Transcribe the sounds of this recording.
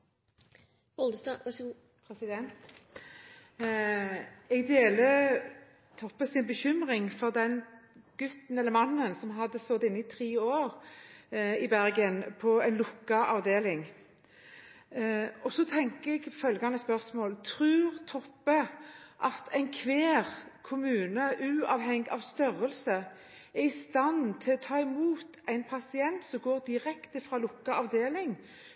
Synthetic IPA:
ɔld̪əsd̪ɑ | pʰɛsɪd̪ɛnt̪ | ɛɡd̪eːlə | t̪ʰɔpːəsɪnbəçʏmʁɪŋfɔʁd̪ɛnɡ̥ʉt̪n̩ɛlːəmɑnːənsɔmɦɑd̪ːəsɔd̪ɪnːəɪt̪ʰʁiːoːɾ | ɪbæɾɡənpʰɔɛnlʊkːɑʔɑʋd̪eːlɪŋ | ɔsɔt̪ʰɛŋkəɛɡfœlɡɑnəspœʁsmoːlt̪ʰʁʉːʁt̪ʰɔpːəʔɑt̪ʰæɪnkʰʋeːʁkʰʊmʉːnəʔʉːɑʋɦɛŋɡɑʋst̪œʁəlsə | æʁɪst̪ɑnt̪ʰɪlɔt̪ʰɑːɪmuːt̪æɪnpʰɑsɪɛnt̪sɔmɡoːʁd̪ɪɾɛkt̪əfʁɑːlʊkːɑɑʋd̪eːlɪŋ

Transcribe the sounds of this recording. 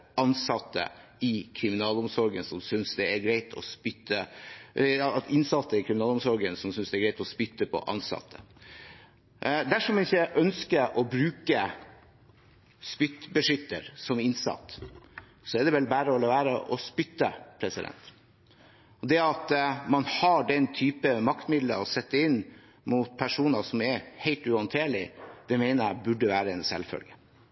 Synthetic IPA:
ɑnsɑt̪ːə̰ɪkʰɾɪmɪnɑːlʊmsɔɾɡənsɔmsʏnsd̪ɛæɾɡɾæɪt̪ʰɔ̰spʏt̪ːə | ɑt̪ʰɪnsɑt̪ːəɪkʰɾɪmɪnɑːlʊmsɔɾɡənsɔmsʏnsd̪ɛɡɾæɪt̪ɔspʏt̪ːəpʰɔ̰ʔɑ̰nsɑ̰t̪ʰːə | ʔd̪æʂɔmɛnɪçːəʔœnskəɾʔɔbɾʉːkə | spʏt̪ːbəʂʏt̪ːəɾsɔmɪnsɑ̰t̪ː | sɔɛd̪ɛʋɛlbæːɾəɔləʋæːɾəʔɔspʏt̪ːəpʰɾɛsɪd̪ɛ̰nt̪ | ɔd̪ɛɑt̪mɑnhɑɖɛnt̪ʰyːpəmɑkt̪mɪd̪lə̰ɔsɛt̪ːəɪnː | muːt̪̚pʰæʂuːnɑʂɔmɛɾhæɪlt̪ʉhɑnt̪ʰeːɭɪd̪̥ɛmeɪnəbʉɖːəʋæːɾəɛnsɛ̰lfœ̰lɡə

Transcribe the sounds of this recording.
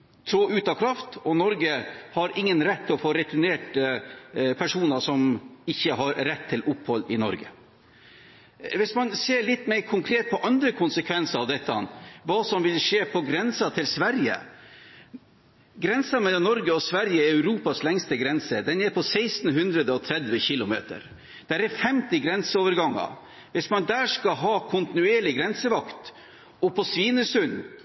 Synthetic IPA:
t̪ʰɾoːʔʉːt̪ɑkʰɾɑft̪ɔnɔɾɡəhɑɾɪŋːənɾɛt̪ʰːɪlɔfoːɾɛt̪ʰʊɳeːʈ | pʰæʂuːnɑʂɔmɪçːəɦɑɾːɛt̪ʰːɪlʔʊphɔlːɪnɔ̰ɾɡə̰ | ʋɪsmɑnseːɭɪt̪ːmæɪɾkʰʊŋkʰɾeːt̪̚pʰɔʔɑnd̪ɾəkʰʊnsəkʰʋɛnsəɾɑʋd̪ɛt̪ʰːənʋɑːsɔmʋɪlʂeːpʰɔɡɾɛnsɑt̪ʰɪlsʋæɾjə̰ | ɡɾɛnsɑmɛlːɔmnɔɾɡəɔsʋæɾjəɛɾœʉɾuːpɑslɛŋst̪əɡɾɛnsəd̪ɛnɛːɾpʰɔsɛɪst̪n̩ɦʉnd̪ɾəd̪əɔt̪ʰɾɛd̪ʋəçɪlʊmḛːt̪ə̰ɾ | d̪̥æɾɛfɛmt̪ɪɡɾɛnsəoːʋəɾɡɑŋːɑ̰ | ʋɪsmɑnd̪æːʂkɑɦɑːkʰʊnt̪ɪnʉeːɭɪɡɾɛnsəʋɑkt̪ | ɔpʰɔsʋiːnəsʉn

